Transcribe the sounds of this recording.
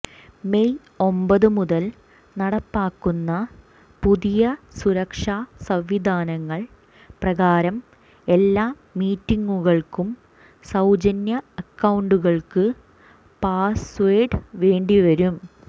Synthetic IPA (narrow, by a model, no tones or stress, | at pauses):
me̞j | o̞mbɐðɨmuðɐl | nɐɽɐpːaːkːunːɐ | puðijɐsuɾɐkʂaːsɐʋʋid̪ʱaːnɐŋːɐɭ | prɐɣaːɾɐm | e̞lːaː | miːtːiŋːuɣɐɭkum | sɐwd͡ʑɐnjɐɐkːɐwɳɖuɣɐɭkɨ | paːsʋeːɖʋe̞ːɳɖiʋɐɾum